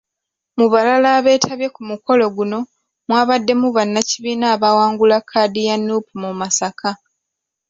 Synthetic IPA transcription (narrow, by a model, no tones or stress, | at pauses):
muβalalaːβe̞ːtʰaβje̞kumuko̞lo̞ɡuno̞ | mwaːβadːe̞muβanːaciβiːnaːβawaːŋɡulakʰːaːdijanːupumumasakʰa